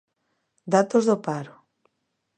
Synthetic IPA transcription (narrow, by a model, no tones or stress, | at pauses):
d̪at̪ozðopaɾo